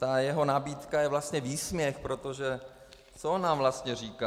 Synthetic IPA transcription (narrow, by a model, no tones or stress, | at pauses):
t̪ajɛɦo̞nabiːt̪kajɛvlast̪ɲɛviːsmɲɛxpɾo̞t̪o̞ʒɛ | t͡soonːaːmvlast̪ɲɛr̝iːka